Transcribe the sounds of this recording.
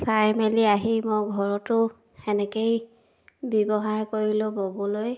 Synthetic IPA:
sajmeliaɦimɔjɡʱɔɹɔtʊ | ɛnɛkej | bɔbɔɦaɹkoɹilʊbɔbɔloj

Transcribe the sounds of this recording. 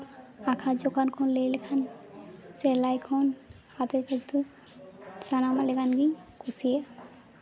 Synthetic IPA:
akʰad͡ʒɔkankʰɔnlejlekʰanselajkʰɔn | hat̪eɾkakt̪u | sanamaleɡanɡiɲkusija

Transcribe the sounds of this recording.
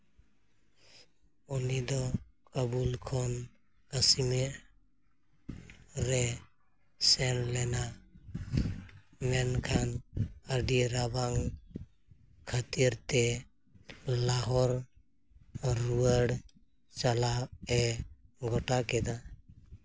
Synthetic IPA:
unid̪ɔkəbulkʰɔn | kəsimi | ɾɛ | sɛnlɛna | mɛnkʰanəɖiɾabaŋ | kʰət̪iɾt̪ɛ | laɦɔɾ | uəɽ | t͡ʃalaɛɡʱɔʈakɛd̪a

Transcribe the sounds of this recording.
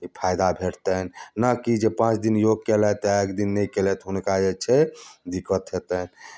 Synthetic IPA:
ipʰajd̪abʱeʈt̪ənnəkid͡ʒepãt͡ʃʰd̪injoɡ̚kelɛt̪ɔekd̪inːəjkelɛt̪ɦunkajet͡ʃʰɛd̪ikət̪ɦet̪ən

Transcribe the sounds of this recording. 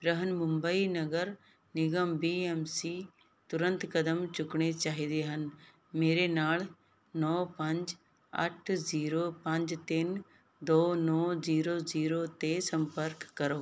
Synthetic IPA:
bɾəɦənmʊ̃mbəinɐɡəɾ | nɪɡəmbiːɛmsiː | t̪ʊɾə̃nt̪kɐd̪əmt͡ʃʊkɽet͡ʃaːɦid̪eɦən | meːɾenaːl | nɔːpɐ̃ɲd͡ʒ | ə̰ʈʰziːɾopɐ̃ɲd͡ʒt̪ɪn | d̪oːnɔːziːɾoziːɾot̪esɐ̃mpəɾkːɐɾoː

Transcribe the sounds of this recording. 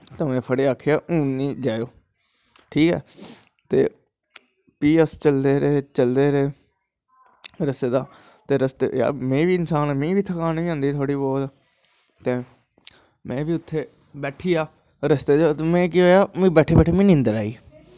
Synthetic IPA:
t̪əmẽːpʰəɽeːaːkʰːejaːʔũːnĩːd͡ʒaːjoː | ʈʰiːkɛ̰ː | t̪ḛː | piːəst͡ʃəld̪eːɾeːt͡ʃəld̪eːɾeː | ɾəst̪eːd̪aː | t̪eːɾəst̪ḛːa̰ːmẽːʋiːɪnsaːnːmĩːʋiːt̪ʰəkaːnːiːãːnd̪iːt̪ʰoːɽiːbɔːt̪ː | t̪eː | mɛ̃ːʋiːʊt̪ʰːeː | bɛːʈʰiːaː | ɾəst̪eːd͡ʒat̪emɛ̃ːk̬iːɦoːjaːmĩːbɛːʈʰeːbɛːʈʰeːmĩːnɪ̃nd̪əɾaːiː

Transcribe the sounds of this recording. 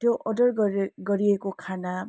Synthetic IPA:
tjoʔɔdʌɹɡɡʌɾiekokʰana

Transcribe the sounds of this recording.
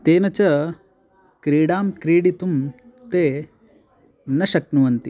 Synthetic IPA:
t̪eːnɐt͡ʃɐ | kɾiːɽaːmkɾiːɽit̪um | t̪eː | nɐʃɐk̚nuʋɐnt̪i

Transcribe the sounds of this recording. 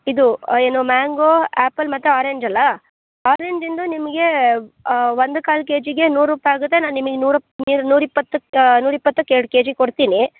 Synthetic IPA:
id̪ue̞ːnumaːŋɡoːæːpːɐlmɐt̪ːuaːɾeɲd͡ʒɐlːɐ | aːɾeːɲd͡ʒind̪unimɐɡe̞ | ʋond̪ukaːlk̬eːd͡ʒiɡe̞nuːɾɾuːpɐjaːɡut̪̬ːenaːnnimɐɡenuːɾɐniɾnuːɾipːɐt̪ːunuːɾipːɐt̪ːukeːɽuke̞ːd͡ʒiɡkoɽt̪iːni

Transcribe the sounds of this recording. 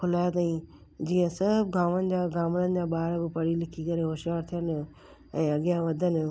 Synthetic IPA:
kʰʊlaːjat̪̬aːĩ | d͡ʑiːə̃sɐbɡʱaːʋənɪ̆d͡ʑaːɡʱaːmənənɪ̆d͡ʑaːɓaːɾbɪpɐɽilɪkʰikɐɾeɦoːʃijaːɾt̪ʰijən | ɛ̃ːɐɠijãʋɐd̪ʱən

